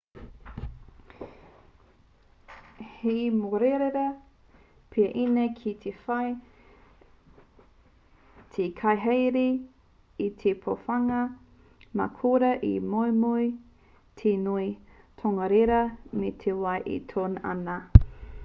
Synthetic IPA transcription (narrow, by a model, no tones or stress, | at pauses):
hemoɾeɾeɾɐ | pʰiɐʔinekʰit̪ʰefɐj | t̪ʰekʰɐjɦejɾi | it̪ʰepʰofɐŋɐ | ma̰kʰoɾɐʔḭmojmoi | t̪ʰenui | tʰoŋɐɾeɾɐmet̪ʰewɐjʔḭtʰoːnɐ̰nɐ